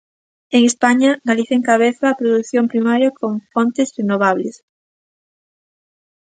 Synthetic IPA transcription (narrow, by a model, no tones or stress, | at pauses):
eŋespaɲɐɡaliθeŋkaβ̞eθɐːpɾoðuθjompɾimaɾjɐkʰoŋfont̪esrenoβ̞aβles